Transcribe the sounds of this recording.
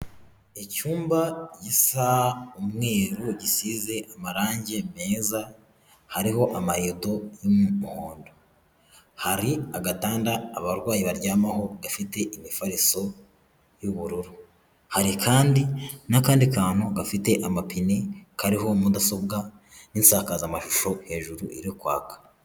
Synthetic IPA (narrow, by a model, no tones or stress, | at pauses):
ecuːmbaɟisaumŋe̞ːɾuɟisize̞ʔamaɾaːɲɟe̞me̞ːza | haɾiɦo̞ʔamaɾeːdo̞jumumuhoːndo̞ | haɾiaɡataːndaːβaɾɡwaːjiβaɾɟaːmaho̞ɡafite̞ʔimifaɾiso̞ | juβuɾuɾu | haɾikʰaːndinakaːndikaːn̥huɡafite̞ʔamapine̞kaɾiɦo̞mudaso̞bɡa | ninsaːkazamaʃuʃo̞he̞ːʒuɾṵʔḭɾikwa̰ːkḁ